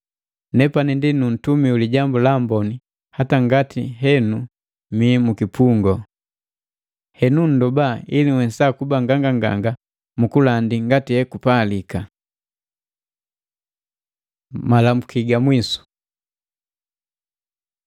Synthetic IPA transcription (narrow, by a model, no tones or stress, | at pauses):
nɛpanindinun̩tumiuliɟambulambɔni | hataŋɡatʰiɦɛnu | mimukipuŋɡɔ | hɛnun̩dɔbailiŋwɛsakubaŋɡaŋɡaŋɡa̰ŋɡa | mukulandiŋɡatihɛkupalika | malamukiɡamwisu̥